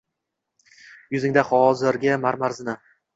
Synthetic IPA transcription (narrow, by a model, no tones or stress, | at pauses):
jʊzɪŋd̪ahɒzɪɾɡʲɪmaɾmaɾzɪnɪ